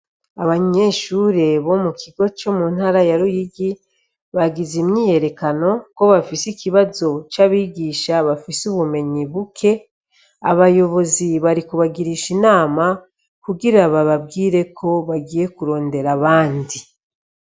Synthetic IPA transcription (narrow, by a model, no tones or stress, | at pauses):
aβaɲe̞ʃuɾe̞βo̞mukʰiɡo̞t͡ʃo̞mun̥haɾajaɾujiɡi | βaɡizimɲiːje̞ɾe̞kano̞ko̞βafisikiβazo̞t͡ʃaβiːɡiːʃaβafisuβume̞ɲiβukʰe̞ | a̰βajo̞βo̞ziβaɾikuβaɡiɾiːʃinaːma | kuɡiɾaβaβabɡiːɾe̞kʰo̞βaɡiːje̞kuɾo̞ːnde̞ɾaβaːndi